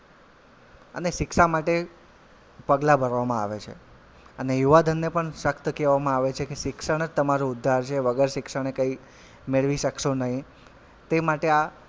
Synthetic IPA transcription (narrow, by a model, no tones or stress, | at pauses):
ə̰neʃɪkʃamaʈe | pəɡlabʱəɾʋamãa̰ʋet͡ʃʰḛ | ənejuʋad̪ʱənːepəɳʃəkt̪kɛʋamãaʋet͡ʃʰekeʃɪkʃəɽ̃əd͡ʒt̪əmaɾuʊd̪ʱːaɾt͡ʃʰeʋəɡəɾʃɪkʃəɳ̃ekəi | meɭʋiʃəkʃonəɦĩ | t̪emaʈea